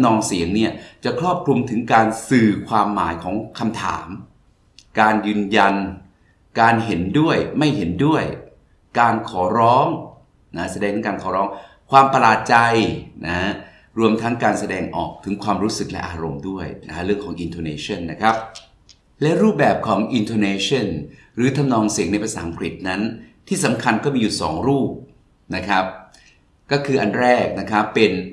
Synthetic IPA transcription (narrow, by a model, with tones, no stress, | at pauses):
nɔː˧ŋsi˨˩˦əŋni˦˥˩ɐt͡ɕa˨˩kʰɾɔː˥˩p̚kʰɾu˧mt̪ʰɯ˩˦ŋkaː˧nsɯː˨˩kʰwaː˧mːa̰ː˩˦jkʰɔː˩˦ŋkʰa˧mt̪ʰa̰ː˩˦m | kaː˧njɯː˧nja˧n | kaː˧nɦe˩˦ndu˥˩əjma˥˩jhe˩˦ndu˥˩əj | kaː˧nkʰɔː˩˦ɾɔː˦˥ŋ | na˦˥sa˧dɛː˧ŋ˩˦ŋkaː˧nkʰɔː˩˦ɾɔː˦˥ŋ | kʰwaː˧mpa˧laː˨˩t̪̚t͡ɕa˧jna˦˥ | ɾu˧əmt̪ʰa˦˥ŋkaː˧nsa˧dɛː˧ŋʔɔ̰ː˨˩k̚t̪ʰɯ˩˦ŋkʰwaː˧mɾuː˦˥sɯ˨˩k̚lɛ˦˥ʔaː˧ɾo˧mdu˥˩əjna̰˦˥ɾɯ˥˩əŋkʰɔː˩˦ŋʔi˧nt̪ʰoː˧neː˧˥t͡ɕʰɔ˥˩nːa˦˥kʰa˦˥p̚ | lɛ˦˥ɾuː˥˩p̚bɛː˨˩p̚kʰɔː˩˦ŋʔi˧nt̪ʰoː˧neː˧t͡ɕʰɔ˥˩n | ɾɯː˩˦t̪ʰa˧mnɔː˧ŋsi˨˩˦ŋna˧jpʰa˧saː˩˦ŋkʰɾi˨˩t̪̚na˦˥nt̪ʰiː˥˩sa˩˦mkʰa˧nkɔː˥˩miː˧juː˨˩sɔː˩˦ŋɾuː˥˩p̚ | na˦˥kʰa˦˥p̚ | kɔː˥˩kʰɯː˧ʔa˧nɾɛː˥˩k̚na˦˥kʰa˦˥pːe˧n